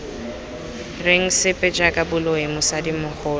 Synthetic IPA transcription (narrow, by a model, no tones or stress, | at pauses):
reŋ̩sɪpʼɛd͡ʒʼakʼabʊloemʊsadimʊk͡xʰʊː